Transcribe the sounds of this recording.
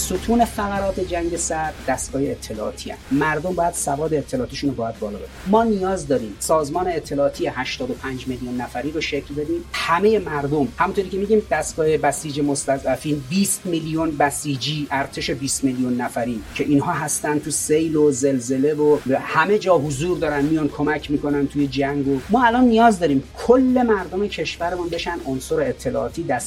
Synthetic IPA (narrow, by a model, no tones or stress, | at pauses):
sot̪ʰuːne̞fæɣæɾɒːt̪ʰe̞d͡ʒæŋɟe̞sæd̪d̪æst̪ɡɒːjeːt̪ʰːe̞lɒːʔːt̪ʰiːæ̰nnd̪mæɾd̪o̞mbɒːjæd̪̥sævɒːd̪eet̪ʰːe̞lɒːt̪iːʃunobɒːjæd̪̚bɒːlɒ̰ːbedimmɒːnijɒːzd̪ɒːɾiːmsɒːzmɒːne̞ːt̪ʰːelɒːt̪ʰijehæʃt̪ɒːd̪o̞pʰænd͡ʒmeljunːæfæɾiːɾoʃe̞clbe̞d̪iːmhæme̞je̞mæɾd̪o̞mhæmunt̪ʰoɾiːcʰʲe̞miɟiːmd̪æst̪ɡɒːhebæsiːd͡ʒemo̞st̪æzæfiːnbiːst̪milijonbæsiːd͡ʒiːʔæɾt̪ʰe̞ʃe̞biːst̪melijunːæfæɾiːcʰe̞ʔinhɒːɦæst̪ænd̪t̪ʰusejloze̞lze̞le̞vobhæmed͡ʒɒːɦozuːɾd̪ɒːɾænmijɒnkʰo̞mæcʰmiːkʰo̞nænt̪ʰuje̞d͡ʒæŋɡomɒːælɒnːijɒːzd̪ɒːɾiːmkʰolːe̞mæɾd̪o̞me̞cʰe̞ʃvæɾemunbe̞ʃænd̪onsoɾeet̪ʰːe̞lɒ̰ːt̪ʰiːd̪æs